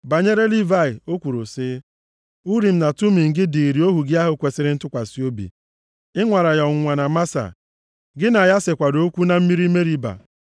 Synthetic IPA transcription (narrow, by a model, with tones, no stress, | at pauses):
ba˨ɲe˦ɾe˦li˦va˦˨ɪ˨o˦kʷu˨ɾu˨sɪː˦ | u˦ɾi˨m̩˦na˨tu˦mi˨ŋ̩˨ɡɪ˦di˨i˨ɾi˨o˦ɦu˨ɡɪ˦a˦ɦʊ˨kʷe˨sɪ˨ɾɪ˦n̩˦tʊ˦kʷa˨si˦o˦bḭ˨ | ɪ˦ŋʷa˨ɾa˨jɔ˨ŋ̩˨ŋʷa˨na˨ma˦sa̰˨ | ɡɪ˦na˨ja˦sɪ˨kʷa˨do˦kʷu˦na˦m̩˦mi˦ɾi˦me˦ɾi˦ba̰˨